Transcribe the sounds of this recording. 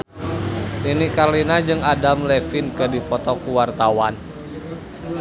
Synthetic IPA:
ʔinikarlinad͡ʒɨŋadamlɛfinkɨrdipɔt̪ɔkuwart̪awan

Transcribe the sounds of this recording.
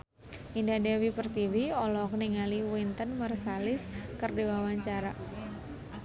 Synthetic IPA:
ʔindadɛwipərt̪iviɔlɔkniŋaliwint̪ənmərsalɪskərdewawaɲt͡ʃaɾa

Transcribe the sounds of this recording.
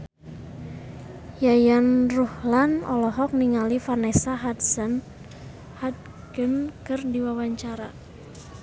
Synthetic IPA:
jajanruhlanɔlɔɦɔk̚niŋalifarnɛsaɦadsan | hat̪̚ | ɡənkərdiwawaɲt͡ʃaɾa

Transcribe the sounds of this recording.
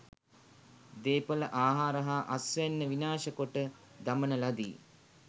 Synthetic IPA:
d̪eːpələʔaːɦaːɾəɦaːʔasʋɛnːəʋinaːʃəkoʈə | d̪amənəlad̪ḭː

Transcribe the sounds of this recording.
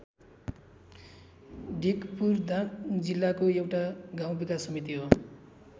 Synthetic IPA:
ɖikpurd̪ãkd͡zilːakoewʈaɡaw̃bikasʌmit̪iɦo

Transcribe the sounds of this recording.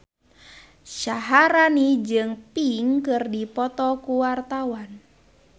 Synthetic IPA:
ʃaɦaɾanid͡ʒɨŋpiŋkɨrdipɔt̪ɔkuwart̪awan

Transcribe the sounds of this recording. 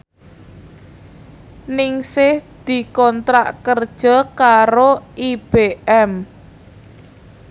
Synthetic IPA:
nɪŋsɪhd̪̥i̤kɔnt̪ɾa̰ʔkərd̥ʒ̥ɔ̤kaɾoib̥eʔɛm

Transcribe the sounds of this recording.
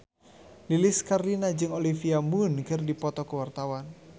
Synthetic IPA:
liliskarlinad͡ʒɨŋolifiamunkɨrdipɔt̪ɔkəwart̪awan

